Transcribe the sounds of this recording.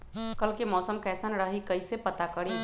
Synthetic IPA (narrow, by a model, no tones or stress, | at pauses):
kəlkemɔːsəmkɛːsənɾəɦikəisepət̪akəɾi